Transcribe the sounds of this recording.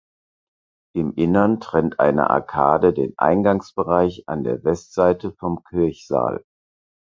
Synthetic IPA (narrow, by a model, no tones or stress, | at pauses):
ʔɪmʔɪnɐntʁ̥ɛntʔa̰ɪnə̰ʔa̰ɐkʰa̰ːdədḛːnʔa̰ɪnɡaŋsb̥əʁaɪça̰ndeːɐvɛstz̥aɪtəfɔmkʰʏɐçz̥a̰ːl